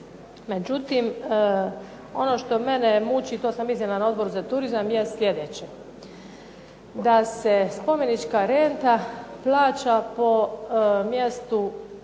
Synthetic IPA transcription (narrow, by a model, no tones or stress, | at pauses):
me̞d͡ʑut̪im | o̞no̞ʃt̪o̞me̞nemut͡ɕit̪oːsamiznʲelanao̞d̪bo̞ɾuzat̪uɾizamjesljed̪et͡ɕe | d̪asespo̞me̞nit͡ʃkaɾent̪aplaːt͡ɕapo̞mjest̪u